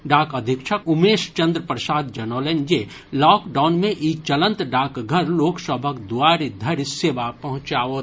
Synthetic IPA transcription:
ɖaːkəd̪ʱɪkʃʰəkʊmeːʃt͡ʃə̃nd̪ɾəpɾəsaːd̪d͡ʒɐnoːlend͡ʒeː | lɔːkɖaːnmẽʔiːt͡ʃələ̃nt̪ɖaːkɡʱəɾloːksəbʱəkd̪ʊʋaːɾid̪ʱɐɾseːʋapɐɦʊ̃t͡ʃaːo

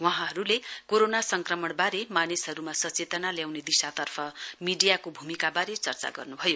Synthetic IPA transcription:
waɦãɦʌɾulekoɾonasʌŋkrʌmʌɳbaɾemanesɦʌɾumasʌt͡set̪ʌnaljawned̪isat̪ʌrpʰʌmiɖijakobʱumikabaɾet͡sʌrt͡sa̰ɡʌ̰rnubʱʌjo

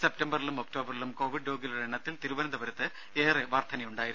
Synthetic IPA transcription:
sep̚tɐmbɐrilumokʈo̞ːbɐrilumko̞ːʋiɖːoːɡilureɳːɐt̪ːilt̪iɾuʋɐnɐd̪ɐbɐɾɐt̪ːɨ | eːreʋaːrt̪ʰɐnɐjuɳɖaːjiɾuu

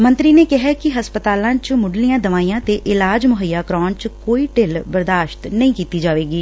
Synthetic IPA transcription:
mə̃nt̪ɾiːneːkɪɦɛːkɪɦəspət̪aːlãːt͡ʃmʊɖlijãːd̪əʋaːiːãːt̪eːʔɪlaːd͡ʒmʊɦəjːaːkɾɔːnt͡ʃkoːiːʈɪlbəɾd̪aːʃt̪nəĩːkiːt̪iːd͡ʒaːʋeːɡiː

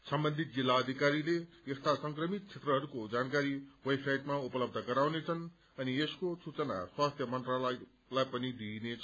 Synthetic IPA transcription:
sʌmbʌnd̪ʱit̪̚d͡zilːaʌd̪ʱikaɾile | est̪ʰasʌŋkrʌmit̪̚t͡sʰet̪rʌɦʌɾukod͡zankaɾiwʌjsajt̪maupʌlʌb̚d̪ʱʌɡʌɾawnet͡sʰʌn | ʌnieskosut͡sʌna̰swast̪ʰjʌmʌnt̪ralʌ | lajpʌnid̪inet͡sʰ

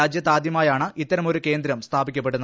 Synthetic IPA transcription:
aːd͡ʑjɐt̪̬ːaːd̪jɐmaːjaːɳɨit̪ːɐɾɐmo̞ɾuke̞ːnd̪ɾɐmst̪ʰaːbikʲːɐpːe̞ʈːɽunː

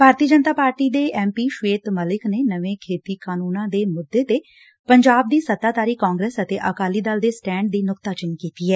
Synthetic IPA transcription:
bʱaːɾt̪iːəd͡ʒənt̪aːpaːɾʈiːd̪eːʔɛːmpiːʃʋeːt̪məlɪkneːnəʋẽːkʰeːt̪iːkaːnuːnãːd̪eːmʊd̪ːeːt̪eː | pəɲd͡ʒaːb̚d̪iːsət̪aːt̪aːɾiːkãːŋɡɾeːsət̪eːʔəkaːliːd̪əld̪eːsʈɛ̃ːɳɖ̚d̪iːnʊkt̪aːt͡ʃɪnkiːt̪iːɛː

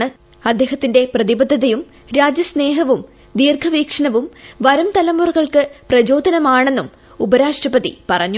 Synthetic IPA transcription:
ɳɨ | ɐd̪ːe̞ːɦɐt̪ːinde̞prɐðibɐd̪ʱːɐðɐjum | ɾaːd͡ʑjɐsne̞ːɦɐʋum | d̪iːrkʰɐʋiːkʂɐɳɐʋumʋɐɾɐmt̪ɐlɐmurɣɐɭkɨprɐd͡ʑo̞ːd̪ʱɐnɐmaːɳe̞nːum | ubɐɾaːʂʈrɐpɐðḭpɐrɐɲːu

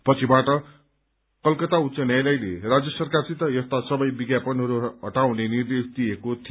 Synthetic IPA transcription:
pʌt͡sʰibaʈʌ | kʌlkʌt̪aut̪t͡sʌnjajlʌjlerad͡zjʌsʌrkarsit̪ʌjʌst̪asʌbʌjbiɡjapʌnɦʌɾuɦʌʈawnenird̪esd̪iekot̪ʰi

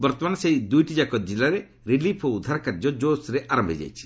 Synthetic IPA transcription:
bɔɾt̪ɔmansejd̪ujʈid͡ʒakɔd͡ʒilaɾe | ɾilipʰɔud̪ʱːaɾakaɾd͡ʒɔd͡ʒosɾeʔaɾambʱid͡ʒa̰jt͡ʃʰi̥

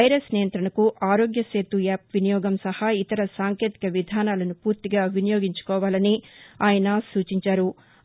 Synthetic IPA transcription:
ɐjɾesnijɐnt̪ɾɐɳɐkuʔaːɾoːɡjɐseːt̪ːujaːpʋinijɔːɡɐmsɐhɐit̪ɐɾɐsaːŋkeːt̪i̥kɐʋid̪ʱaːnaːlɐnupuːɾt̪iɡaːʋinɐjoːɡiɲt͡ʃu̥kɔːʋaːlɐniaːjɐnɐsuːt͡ʃiɲt͡ʃaːɾu

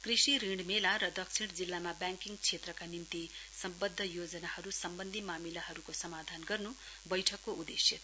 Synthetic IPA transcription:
krisiɾiɳɖmelaɾʌd̪ʌksʰiɽ̃d͡zilːamabaŋkiŋɡt͡sʰet̪rʌkanimt̪isʌmbʌd̪ʱːʌjod͡zʌnahʌɾusʌmbʌnd̪ʱimamilaɦʌɾukosʌmad̪ʱanɡʌrnu | bʌjʈʰʌkːoud̪esjet̪

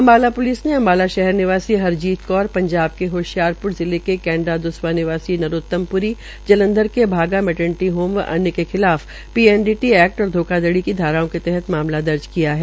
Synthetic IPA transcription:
ɐmbaːlapʊliːsneɐ̃mbaːlaʃɛɦɛɾnɪʋaːsiɦɐɾd͡ʒiːt̪kɔːɾpɐ̃ɲd͡ʒaːb̚keɦoːʃjaːɾpʊɾzɪlekekɛ̃ːɳɖad̪ʊsʋanɪʋaːsinɐɾoːt̪ːəmpʊɾi | d͡ʒɐlə̃nd̪əɾkebʱaːɡamɛʈə̃ɳʈiɦoːmʋʔɐ̰njəkexɪlaːf | piːɛnɖiːʈiɛːk̚ʈɔːɾd̪ʱoːkad̪əɽikid̪ʱaːɾaõket̪ɛɦɛt̪maːmlad̪ɐɾd͡ʒkijaɦɛː

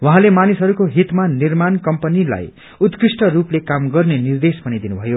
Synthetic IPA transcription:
wʌɦãlemanisɦʌɾukoɦit̪manirmankʌmpʌnila̰j | ut̪krisʈʌruplekamɡʌrnenird̪espʌnid̪inubʱʌjo

